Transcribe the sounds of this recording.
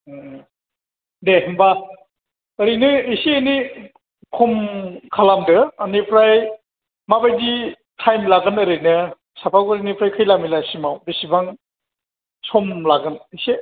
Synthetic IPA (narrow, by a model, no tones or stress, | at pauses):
deɦɯmba | əɾɯjnɯisieni | kʰɔmkʰalamdɯːnipʰɾaj | mabajdi | tʰajmlaɡɯnɯɾɯjnɯ | sapʰakɯɾinipʰɾajkʰɯjlamilasimawbisibaŋ | sɔmlaɡɯnise